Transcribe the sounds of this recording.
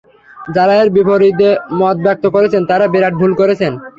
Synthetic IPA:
d͡ʑaɾaeɾbibʱoɾid̪emɔt̪̚bɛk̚t̪okoɾet͡ɕʰent̪aɾabeɾaʈ̚bʱulkoɾet͡ɕʰen

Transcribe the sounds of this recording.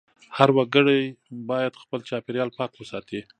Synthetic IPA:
haɾwaɡəɽajbɑjad̪xpəlt͡ʃɑpeɾjɑlpɑkwəsɑt̪i

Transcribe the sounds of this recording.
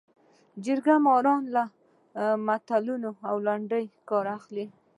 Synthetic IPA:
d͡ʒəɾɡamɑɾɑnla | mat̪alunoawlaɳɖəjkɑɾaxli

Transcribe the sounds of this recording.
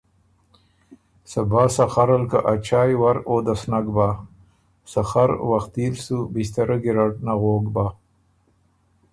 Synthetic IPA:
sabaːsaxaɾalkaʔat͡ʃaːjwaɾoːd̪asnaɡba | saxaɾwaxt̪ilsubist̪aɾaɡiɾaʈnaɣoːɡba

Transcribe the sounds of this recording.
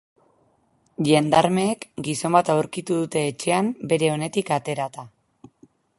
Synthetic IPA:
ʎe̞nd̪aɾme̞ːkɡiso̞mbat̪awɾkit̪uðut̪e̞ːt͡ʃe̞ambe̞ɾe̞o̞ne̞t̪ikat̪e̞ɾat̪a

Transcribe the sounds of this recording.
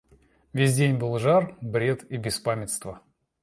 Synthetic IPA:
vʲesʲdʲenʲbɨlˠʐarbɾʲe̞t̪ibʲɪspamʲɪt̪st̪və

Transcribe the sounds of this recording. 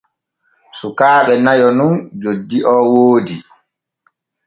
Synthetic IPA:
sukaːɓɛnajɔnund͡ʒodːiʔɔːwoːdi

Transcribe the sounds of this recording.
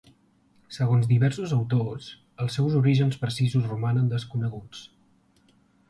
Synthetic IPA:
səɣonzd̪iβɛɾsuzəwt̪os | əlˠsːɛwzuɾiʒənspɾəsizuzrumanənd̪əskunəɣut͡s

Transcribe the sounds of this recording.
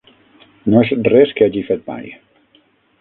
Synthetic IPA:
noezrɛskeaʒifet̪̚ma̰j

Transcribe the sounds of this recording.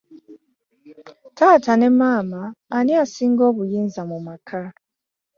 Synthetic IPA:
tʰatanemamaːniasiŋɡoβujinzamumakʰa

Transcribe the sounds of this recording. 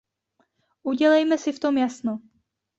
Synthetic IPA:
ʔuɟɛlɛjmɛsɪft̪o̞mjasno

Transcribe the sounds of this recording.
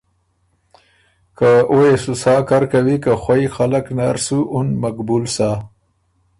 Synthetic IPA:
kaojesusɑkaɾkawikaxwajxalaknaɾsuʔʊnmakbulsa

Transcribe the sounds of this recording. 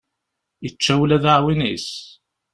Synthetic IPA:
jət͡ʃːæwlæðaʕwinis

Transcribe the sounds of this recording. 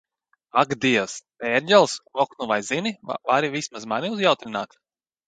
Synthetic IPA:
aɡd̪iɛws | ɛɾʲɟʲɛlˠsvɔknuvajzinivaɾivismazmaniuzjawt̪ɾinaːt̪

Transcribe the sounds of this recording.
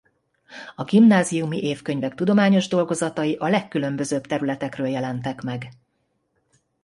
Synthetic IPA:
ɒɡimnaːzijumiʔeːfkøɲvɛkt̪ud̪o̞maːɲo̞ʒd̪o̞lɡo̞zɒt̪ɒjiʔɒlɛkːylø̞mbø̞zøːbt̪ɛɾylɛt̪ɛkrøːljɛlɛnt̪ɛkmɛɡ

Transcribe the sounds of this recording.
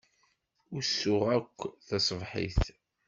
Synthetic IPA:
ʊɾsːʊʁækʷːθɑsˤəvħḭθ

